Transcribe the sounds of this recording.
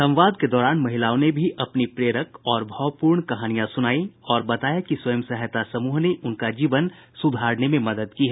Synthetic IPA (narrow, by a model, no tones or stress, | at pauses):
sɐ̃m̃ʋaːd̪ked̪ɔːɾaːnmɐɦɪlaːõnebʱiʔɐpnipɾeːɾəkɔːɾbʱɔpuːɾɳkɐɦaːnijãsʊnaːiɔːɾbɐt̪aːjakisʋɐjəmsɛɦt̪asɐmuːɦneʔʊnkad͡ʒiːʋənsʊd̪ʱaːɾnemẽmɐd̪əd̪kiɦɛː